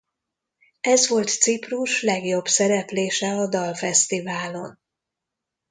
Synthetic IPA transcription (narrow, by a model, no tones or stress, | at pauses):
ɛzʋo̞lt̪sipruʃlɛɡjo̞bsɛɾɛpleːʃɛɒd̪ɒlfɛst̪ivaːlo̞n